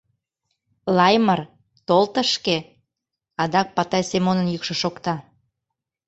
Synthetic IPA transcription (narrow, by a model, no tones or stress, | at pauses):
lɑjmər | t̪olt̪ə̆ʃke | ɑd̪ɑk̚pɑt̪ɑjsemonənjykʃŏʃokt̪ɑ